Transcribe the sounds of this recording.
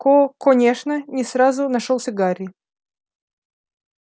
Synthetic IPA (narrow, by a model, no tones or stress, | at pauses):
kokonʲeʂnənʲɪsɾazʊnɐʂolˠsʲɪɡaɾʲɪ